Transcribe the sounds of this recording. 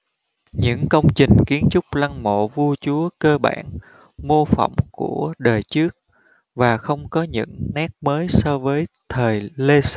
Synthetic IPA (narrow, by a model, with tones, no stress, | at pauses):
ɲɨ̰˧˥ŋkə˧wŋ͡mt͡ɕï˨˩ŋ̟ki˨˦ənt͡ɕʊ˦˥k͡p̚la˧ŋmo̰˧˨vu˧ət͡ɕu˨˦əkəː˧ɓa̰ː˧˩n | mo˧fə̰˧˩˨wŋ͡mku˧˩əɗəː˨˩jt͡ɕɨ˦˥ək̚ | vaː˨˩xə˧wŋ͡mkɔ˨˦ɲɨ̰˧˥ŋnɛ˦˥k̚məː˨˦jsɔ˧vəː˨˦jt̪ʰəː˨˩jle˧s